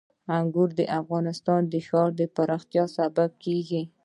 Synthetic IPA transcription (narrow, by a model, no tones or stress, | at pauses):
aŋɡʊɾd̪əʔafɣɑnɪst̪ɑnd̪əxɑɾd̪əpaɾɑxt̪jɑsabab̚keɡi